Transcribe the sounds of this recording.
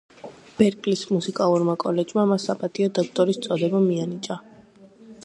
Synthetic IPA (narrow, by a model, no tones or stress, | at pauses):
b̥ɛɾkʼlismusikʼalˠuɾmakʼɔlɛd͡ʒmamasapʼat̪ʼiɔd̪ɔk̚ʰt̪ʼɔɾist̪sʼɔd̪ɛbamianit͡ʃʼa